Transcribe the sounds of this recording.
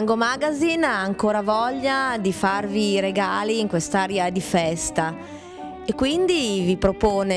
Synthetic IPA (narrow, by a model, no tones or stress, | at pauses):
ŋɡomaɡazinaːŋkoːɾavɔʎːad̪ifarviɾeɡaːliːŋkwest̪aːɾead̪ifɛst̪a | ekːwind̪ivipɾopoːne